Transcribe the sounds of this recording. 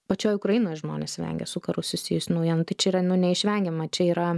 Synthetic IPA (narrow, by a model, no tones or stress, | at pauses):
pɐt͡ʃʲoːjʊkɾɐjinoːjʒmo̰ːnʲeːsʋʲɛ̰ŋʲɡʲɛ̰sʊkɐɾʊssʊsʲiːjʊsʲɪnɐʊjɛːnʊt̪ɐɪt͡ʃʲɛiːɾɐnʊnʲɛɪʃʲʋʲɛŋʲɡʲɛmɐt͡ʃʲɛiːɾɐ